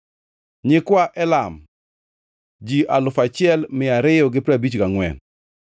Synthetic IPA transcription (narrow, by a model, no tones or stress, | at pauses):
ɲɪkwaʔɛlam | d͡ʒiʔalʊfat͡ʃɪɛlmɪaɾɪjɔɡɪpɾabit͡ʃkaŋwɛ̰n